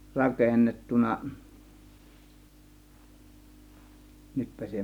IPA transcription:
rɑkenːetːunɑ nytpæ se

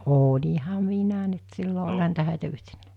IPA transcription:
oːlʲihɑ minæ nyt silːo olʲhɑ niːtæ hæˑitæ yhtenːæː

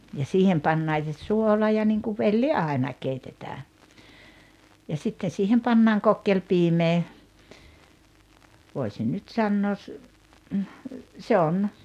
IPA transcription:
jɑ siːhem pɑnːɑːŋ se suolɑ jɑ niŋkuʋ ʋelːi ɑˑi̞nɑ keitetæː jɑ sitːen̞ siːhem pɑnːɑːŋ kokːelpiːmeː ʋoˑisin nyt sɑnːoːs se on

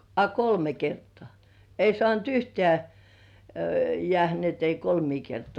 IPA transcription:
ɑ kolme kertŏɑˑ ei sŏɑˑnt yhteæ jĕæˑhæ ni et ei kolmiː kertŏɑˑ

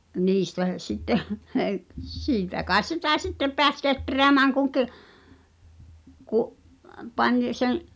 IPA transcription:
niːstæ sitːeh siːtæ kɑes sitæ sitːep̆ peæs ketreæmæːŋ kuŋ ki̞ kuʔ pɑnʲ sen̞

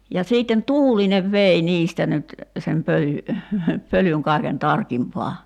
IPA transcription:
jɑ siːtːen tuːlineʋ ʋei niːstæ nyt sem pøly pølyŋ kɑˑi̞ken tɑrkimpɑː

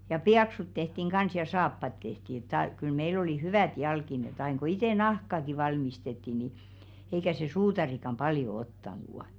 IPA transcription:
jɑ piɑksut tehtiŋ ɡ̊ɑns jɑ sɑːpːɑt tehti et tɑˑ kyl meil oliˑ hyʋæˑt jɑlkinet ɑin ko iteˑ nɑhkɑki ʋɑlmistetːi ni eikæ se suːtɑrikɑm b̥ɑljo otːɑnuˑ

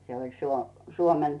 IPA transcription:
se olʲ suo suomen

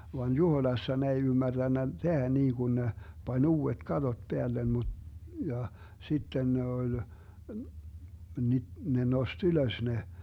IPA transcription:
ʋɑn juhoĭlɑsːɑ ne ei ymːærd̥ænːæ tehæ niːɡ̊un ne pɑnʲ uːet kɑtot peælːem mu jɑ sitːen ne olʲ ni ne nost yløs ne

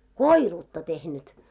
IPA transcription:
koiruːtːɑ tehnyt

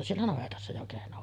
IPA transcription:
sielːæ nɑʋetɑsːɑ jo kehno

